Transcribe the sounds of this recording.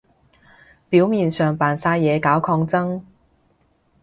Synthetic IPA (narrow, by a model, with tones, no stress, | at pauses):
piː˨˥wmiː˨˩nsœː˨ŋpaː˨˩nsaː˧jɛː˨˧kaː˨˥wkʰɔː˧ŋt͡sɐ˥ŋ